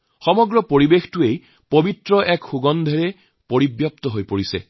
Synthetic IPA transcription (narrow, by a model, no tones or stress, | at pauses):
xɔmɔɡɹɔpoɹibextuej | pobitɹɔʔɛkxuɡɔnd̪ʱeɹe | poɹibjɔpt̪ɔɦojpoɹisḛ